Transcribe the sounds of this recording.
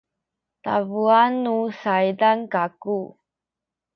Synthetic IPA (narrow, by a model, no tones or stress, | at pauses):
ta̰vuanːusajdankaku